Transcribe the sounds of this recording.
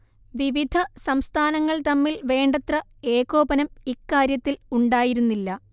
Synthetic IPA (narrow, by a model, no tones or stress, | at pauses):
ʋiʋid̪ʱɐsɐmst̪ʰaːnɐŋːɐɭt̪ɐmːilʋe̞ːɳɖɐt̪rɐ | e̞ːko̞ːbɐnɐmikːaːɾjɐt̪ːiluɳɖaːjiɾunːilːɐ